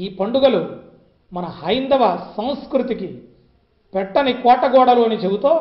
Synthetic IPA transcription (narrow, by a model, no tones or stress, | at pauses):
iːpɐɳɖuɡɐlu | mɐnɐhɐjnd̪ɐʋɐsɐw̃skɾut̪iki | pɛʈːɐnikɔːʈːɐɡɔːɽɐluɐnit͡ʃebut̪oː